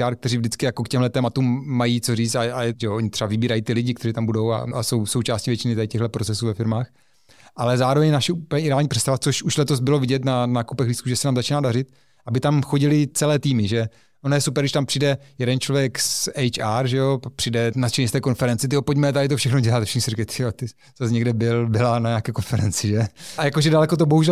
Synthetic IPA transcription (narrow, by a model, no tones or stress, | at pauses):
aːɾk̚t̪ɛɾiːvdɪt͡skɪjako̞kcɛmɦlɛt̪ɛːmat̪umːajit͡soriːt͡st̪aaɛʒɛoʔoɲɪt̪r̥ɛavɪbiːɾajiːt̪ɪlɪɟɪkt̪ɛɾiːt̪ambudo̞wa̰a̰so̞wso̞wt͡ʃaːscivjɛt͡ʃɪnɪt̪adɪcɛɣɦlɛpɾot͡sɛsuːvɛfɪɾmaːx | ʔalɛzaːɾovɛɲnaʃɛuplɲɛʔɪdɛaːlɲiːpr̥ɛst̪avat͡soʃuʃlɛt̪ozbɪlovɪɟɛt̪nanaːkupɛɣliːskuːʒɛsɛnaːmzat͡ʃinaːdarɪt̪̚ | ʔabɪt̪amxoɟɪlɪt͡sɛlɛːt̪iːmɪʒɛ | ʔonojɛsupɛɾɡdɪʃt̪ampr̝̥idɛjɛdɛnt͡ʃlovjɛksɛjt͡ʃaːɾʒɛopapr̥idɛnat͡ʃɛɲist̪ɛːko̞nfɛɾɛnt͡sɪt̪ɛopoɟmɛt̪adɪt̪̬ofʃɛxnoɟɛlat̪fʃɛ̥nsiɾikat̪ɪot̪ɪ | z̥as̬ɲɛɡdɛbɪlbɪlanaɲakɛːko̞nfɛɾɛnt͡sɪʒɛjakoʒɛdalɛkot̪̬oboɦuʒɛ